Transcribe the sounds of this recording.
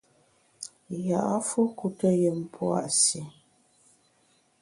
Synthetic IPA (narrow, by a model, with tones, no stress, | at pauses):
ja˨ʔa˦fu˦ku˨tə˦je˨m̩˨pʰwa̰˦˨ʔsi˨